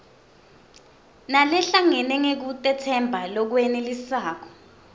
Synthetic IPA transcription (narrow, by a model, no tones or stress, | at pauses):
nalɛɬaŋɛnɛŋek̬utʼɛtʰɛmbʱalɔk̬wɛnelisaːk̬ɔ̥